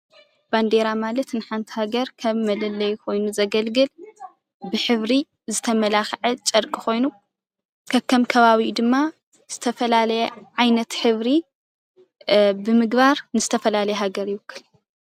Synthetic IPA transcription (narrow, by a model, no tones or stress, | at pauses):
b̥and̪e̞ɾamalɐt̪nɨħant̪ʰi̥haɡɐɾkʰɐβːɐlɐlːɐjkʰo̞jnuzɐɡɐlɡɨl | bɨħɨβɾi | zɨt̪ʰɐmɐlaxʕɐt͡ʃʼɐɾkʼixo̞jnu | kʰɐkʰːɐmkʰɐβaβid̪ɨmːa | z̥ɨt̪ʰɐfɐlalɐjɛʕajnɐt̪ħɨβɾi | bɨmɨɡbaɾnɨz̥ɨt̪ʰɐfɐlalɐjɛɦaɡɐɾjɪwɨkʰːɨl